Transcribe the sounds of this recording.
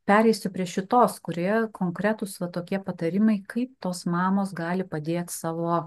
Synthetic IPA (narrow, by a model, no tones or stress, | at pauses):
pʲæːɾʲɛɪsʲʊpʲɾʲiɛʃʲɪt̪oːskʊɾʲijɛkʰoːŋkɾʲæt̪ʊsʋɐt̪oːkʲiɛpɐt̪ɐɾʲɪmɐɪkɐɪp̚t̪oːsmɑːmoːsɡɑːlʲɪpɐd̪ʲeːt̪ʲsɑːʋoː